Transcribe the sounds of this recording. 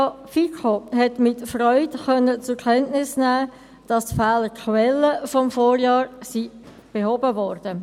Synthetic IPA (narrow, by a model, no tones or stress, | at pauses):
ɑfikʰohɛtmɪtfrɔʏtχœnːət͡sʊkʰɛntnɪsnæː | d̥ɑstfæːləkʰwɛlːəfɔmfoːɾjɑːɾsi | b̥eɦobəʋɔːrd̥ə